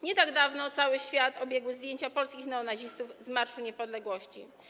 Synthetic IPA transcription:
ɲɛt̪aɡd̪avnɔt̪sawɘɕfʲjat̪ɔbʲjɛɡwɘzd̪ʲjeɲt͡ɕapɔlskʲixnɛɔnaʑist̪uvzmaɾʂuɲɛpɔd̪lɛɡwɔɕt͡ɕḭ

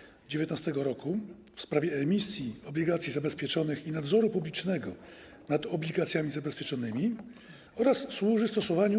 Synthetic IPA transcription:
d͡ʑevʲjɛt̪nast̪ɛɡɔɾɔku | fspɾavʲjɛɛmʲisʲjiɔblʲiɡat̪sʲizabɛspʲjɛt͡ʂɔnɘxinad̪zɔɾupublʲit͡ʂnɛɡɔ | nad̪ɔblʲiɡat̪sʲjamʲizabɛspʲjɛt͡ʂɔnɘmʲi | ɔɾasːwuʐɘst̪ɔsɔvaɲu

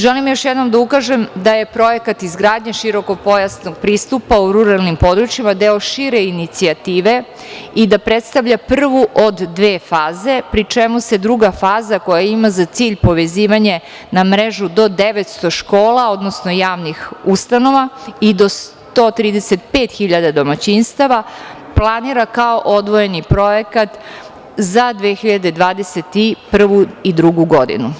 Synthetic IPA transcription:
ʒelimjoʃjɛd̪no̞md̪aukaʒemd̪aje̞pɾo̞jekat̪izɡɾaːd̪ɲeʃiɾo̞ko̞po̞jasnoɡ̚pɾiːst̪upauɾuɾalˠnimpo̞d̪ɾut͡ʃimad̪eoʃiɾeinit̪siat̪iːʋe̞ | id̪apɾet̪st̪aʋʎapr̩ʋuʔod̪ːʋeːfaːze̞pɾit͡ʃemuse̞d̪ɾuɡafaːzako̞jaimazat̪siːʎpo̞ʋeziːʋaɲe̞ | namɾeʒud̪o̞d̪eʋet̪st̪o̞ʃkoːlao̞d̪nosno̞jaːʋnixust̪ano̞ʋaid̪o̞s | t̪ot̪ɾiːd̪ese̞t̪pe̞ːt̪xiʎad̪ad̪o̞mat͡ɕinst̪aʋa | plˠaniːɾakaoʔod̪ʋo̞je̞nipɾo̞jekat̪ | zad̪ʋexiʎad̪e̞d̪ʋaːd̪eset̪ipr̩ʋuid̪ɾuɡuɡo̞d̪ḭnu

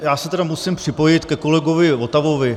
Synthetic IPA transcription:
jaːsɛt̪ɛdamusimpr̝̥ɪpo̞jɪt̪kɛko̞lɛɡo̞vɪvot̪avo̞vɪ

